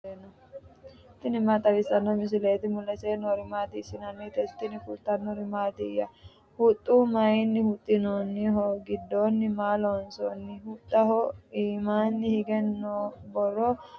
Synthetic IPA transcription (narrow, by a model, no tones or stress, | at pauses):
enɔ | t̪ɪnɪmaːt̪ʼːɐɾɪsɐnːɔmɪs̬ɪleːt̪ɪmʊlːɛseːnɔɾɪmaːt̪ɪːsɪnɐnːit̪ɛst̪ːɪnɪfʊlt̪ɐnːɔɾɪmaːt̪ɪjɐ | hʊt̪ʼːuːmɐɪnːɪhʊt̪ʼːɪnonːɪɦɔɡɪd̪ːoːnːɪmaːlonsɔnːɪhʊt̪ʼːɐɦɔiːmaːnːɪhɪɡɛnːobɔrɔ